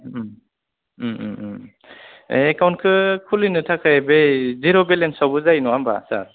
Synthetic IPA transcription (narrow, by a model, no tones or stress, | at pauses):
ekawnt̚kʰɯkʰulinɯtʰakʰɯjbeziɾɔbelensawbuzajnɔamba̰sa̰ɾ